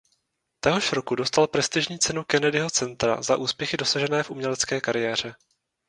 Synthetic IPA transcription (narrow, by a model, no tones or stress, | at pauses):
t̪ɛɦo̞ʃɾo̞kudo̞st̪alpɾɛst̪ɪʒɲiːt͡sɛnukɛnɛdɪɦo̞t͡sɛnt̪ɾa̰zaʔuːspjɛxɪdo̞saʒɛnɛːfʔumɲɛlɛt͡skɛːkaɾɪjɛːr̝ɛ